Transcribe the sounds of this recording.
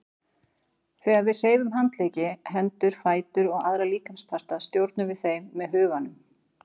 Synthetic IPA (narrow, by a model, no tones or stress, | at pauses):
θɛːɣaðvɪðr̥eːjvʏmɦant̪leːjcɪɦɛnt̪ʏɾ̥faːjt̪ʏɾɔɣaðɾaliːkamspʰar̥t̪aðst̪jowɾt̪nʏvɪðθejmːɛðɦʏːɣanʏm